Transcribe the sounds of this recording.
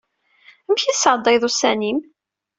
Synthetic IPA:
əmçisəɾˤd̪ˤːɑjðˤusænim

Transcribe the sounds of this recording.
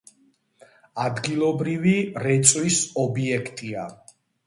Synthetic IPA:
ad̪ɡilˠɔbɾiviɾɛt̪sʼwisɔbiɛkʰt̪ʼia

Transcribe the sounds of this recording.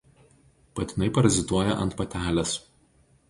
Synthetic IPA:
pɐt̪ʲɪnʲɐɪpɐɾɐzʲɪt̪uɔjɛʔɐ̰nt̪pɐt̪ʲæːlʲɛs

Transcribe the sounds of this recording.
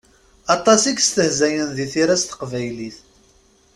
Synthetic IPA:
ɑt̪ˤɑsiɡst̪əhzæjənðiθiɾæst̪ə̥qvæjliθ

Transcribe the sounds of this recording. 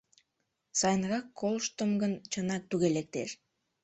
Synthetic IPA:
sɑjnɾɑkːolˠʃt̪əmɡənt͡ɕənɑk̚t̪yɣelek̚t̪eʃ

